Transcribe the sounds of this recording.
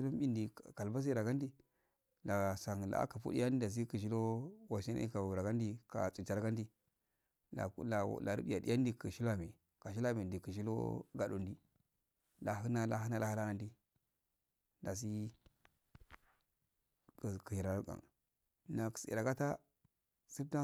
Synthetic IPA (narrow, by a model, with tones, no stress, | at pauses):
i˦lo˦m˦bi˦ndi˨ka˨lba˦s̬i˦˨ɾa˨ɡa˦n˦di˦ | la˨sa˨ŋ˨la̰˨˦ka˨fṵ˦dḭ˦ja˦ni˦da˨s̬i˦ki˨ʃ̬i˦lo˦wa˨ʃi˦na̰˦ḭ˦ka˨u˨ɾa˨ɡa˦n˦di˦ka̰˨t͡su˨t͡ʃa˨ɾɡa˦ndi˦ | a̰˨˦la̰˨la˨ɾṵ˦bi˦ja˨di˦ja˦n˦di˦kə˨ʃi˦la˦mi˨ | ka˨ʃ̬i˦la˦mi˨ndi˨ki˨ʃ̬i˦lo̰˦ɡa˨dṵ˨ndi˦ | la˨ɦi˦na˦la˨ɦi˦na˦la˨hi˦la˦ɡa˦ndi˦ | da˨s̬i˦ | kki˨i˨ɾa˨˦ɡa̰˨ŋ | na˨ksḭ˨ɾa˨ɡa˦ta˦ | si˦ta˦